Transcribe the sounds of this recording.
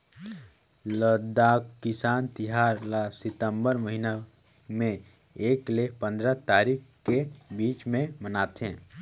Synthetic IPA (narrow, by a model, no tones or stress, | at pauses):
ləd̪aːkkɪsaːnt̪ɪɦaːɾlasɪt̪ə̃mbəɾməɦina | mẽ | eːklepə̃nd̪ɾət̪aːɾik | kebiːt͡ʃmẽmənaːt̪ɦɛ̰̃ː